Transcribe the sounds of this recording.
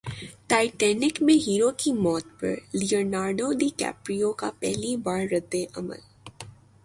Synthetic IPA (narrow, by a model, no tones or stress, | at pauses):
ʈaːɪʈɛːnɪkmẽɦiːɾokimɔːt̪pɐ̰ɾlioːnaːɾɖod̪iːkɛ̰ːpɾijoka̰pɛɦlibaːɾɾɐd̪ːeʔɐmə̰l